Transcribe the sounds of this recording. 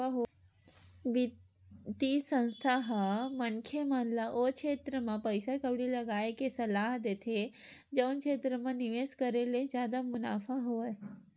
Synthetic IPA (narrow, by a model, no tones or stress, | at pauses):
aɦ | ʋi | t̪isɐ̃nst̪ʰaɦmɐnkʰemanlaʔokʃʰeːt̪ɾəmãpɐɪsakɐbɽilɐɡaːekesɐlaːɦd̪eːt̪ʰe | d͡ʒɐwnkʰeːt̪ɾəmãniʋeːskɐɾeled͡ʒjaːd̪amʊna̰ːfaɦoae